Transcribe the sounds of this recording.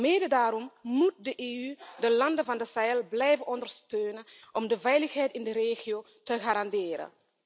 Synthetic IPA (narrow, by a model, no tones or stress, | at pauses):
meːdədaːɾɔmmut̚dəʔeːydəlɑndəvɑndəsaɛlblɛjvənɔndəɹstøːnənʔɔmdəvɛjləxɦɛjtɪndəɾeːxioː | təxaɾɑndɪːɾə̰